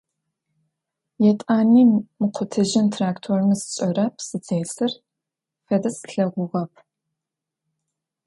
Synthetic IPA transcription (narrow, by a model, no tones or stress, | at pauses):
jɛtʼaːniːmɨqʷʰʊtʰɨʒɪntʰraːktʰormɨsɨ̥ɕʼɐrɐpʰsɨt͡sejsɨr | fɐdɐsɬɐʁʷʊʁɐp̚ʰ